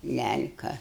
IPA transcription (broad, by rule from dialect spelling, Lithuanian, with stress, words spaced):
ˈlʲælʲkɐ